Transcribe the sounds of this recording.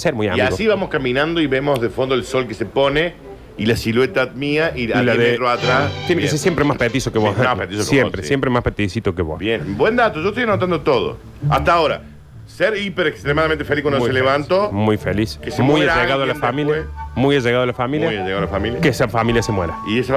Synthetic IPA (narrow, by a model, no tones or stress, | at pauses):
seɾmuja̰miiaɣsiβamoskamĩnãnd̪oiβemozðefond̪oelso̞lkesepone | ilasilwet̪aðmiaʔiaalaðet̪ɾoat̪ɾast̪jenekeseɾsjempɾemapet̪isokeβoamapet̪isoksjempɾesjempɾemahpet̪isit̪okeβo̰sbjenbwend̪at̪oʒoeht̪ojanot̪and̪ot̪oðo̰ | a̰ht̪aoɾa̰ | seɾipeɾekst̪ɾemaðamẽnt̪efelihkwanoseleβant̪omujfeliskesemujaɾʒeɣaðoalafamiljmujaʒeɣaðoalafamiljajaʒeɣaðalafamiljakesafamiljasemweɾaiesa